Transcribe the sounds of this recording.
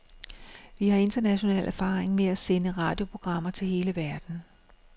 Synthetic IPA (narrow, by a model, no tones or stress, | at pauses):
ʋihɑ̈e̝nd̥ɐnæɕo̝nɛ̰ːlʔæɐfɑ̰̈ːʁeŋmeæsenəʁɑ̈d̥jo̝pʰo̝ɡ̥ʁɑ̈m̰ɐt͡sʰe̝lhe̝ːləʋæɐd̥n̩